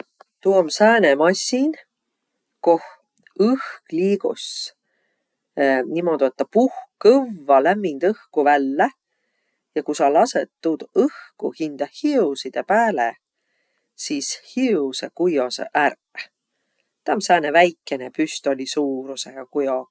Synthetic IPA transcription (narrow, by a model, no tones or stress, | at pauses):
t̪uomsæːnemɑsʲːin | koh | ɯhkliːɡ̥us | nimo̞d̪uet̪ːˑɑpuhkkɤvvːɑlæmːind̪̥ɤhkuvælːe | jɑkusɑlɑset̪ːud̪̥ɤhkuhind̪̥ɑhisid̪̥e̞pæːle | sishisekujosḛʔær | t̪æmsæːnevæjkˑːe̞nepyst̪o̞lʲisuːɾuseɡ̥ɑkujo